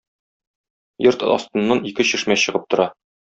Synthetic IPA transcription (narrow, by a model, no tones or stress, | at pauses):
jɤɾt̪ɒ̰st̪ɤ̆nːɑnikɘɕɘ̆ʃmæɕɤ̆ʁɤp̚t̪ŏɾɑ